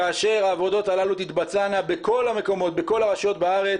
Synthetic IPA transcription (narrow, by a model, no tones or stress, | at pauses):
aːʃe̞ʁaːvo̞do̞t̪alalut̪it̪bat͡sanabeko̞lame̞ko̞mo̞t̪̚be̞ko̞laʁaʃjo̞t̪baaʁe̞